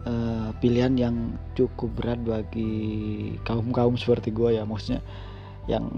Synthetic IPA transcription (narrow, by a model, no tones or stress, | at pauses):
əpiliɦanjaŋt͡ʃukʊp̚bəɾat̪̚baɡi | kaʊmkaʊmsə̥pərt̪iɡuajamosu̥t̪ɲa̰ | ja̰ŋ